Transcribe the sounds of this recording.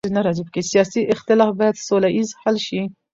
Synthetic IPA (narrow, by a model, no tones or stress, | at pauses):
inɛɾˤɑzib̚kesijɑːsiʔɪxt̪ɪlɑːfbɛt̪solaʔizħalʃi